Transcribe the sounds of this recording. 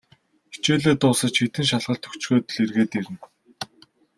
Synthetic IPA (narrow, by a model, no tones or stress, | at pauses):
i̥t͡ɕeːɮeːt̪ʊːsə̆t͡ɕxit̪ɘ̆ŋʃaɮʁə̆ɮt̪ʰɵ̥kt͡ɕxeːt̪ɘɮirɣeːt̪iɾɘ̆n